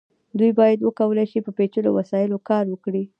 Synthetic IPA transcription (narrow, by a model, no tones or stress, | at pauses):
d̪ujbɑjad̪wəkawəlajʃipəpet͡ʃəlo̰wasɑjɪlokɑɾwəkɽi